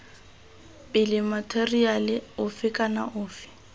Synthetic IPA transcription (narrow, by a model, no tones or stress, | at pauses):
bɪlɪmatʰerialɪʊfɪkʼana̰ʔʊːfɪ̥